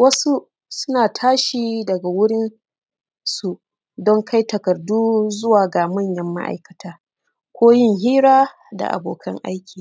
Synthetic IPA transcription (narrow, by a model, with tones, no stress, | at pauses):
wɐ˦su˦ | sʊ˦naː˨tʰaː˦ʃiː˨dɐ˨ɡa˨wʊ˦ɽɪ˦n | su˨ | dɔ˦ŋkʰa˦jtɐ˨kɐ˨rduː˦zʊ˦waː˨ɡa˨mɐ˦˨ɲjɐ˦mːa̰˦ʔa̰˨jkɐ˨tʰaː˨˦ | kʷoː˦jɪ˦ŋɦiː˦ɾaː˦ | da̰˨ʔa̰˨boː˨kʰɐ˦ŋʔa̰˦jkʲiː˨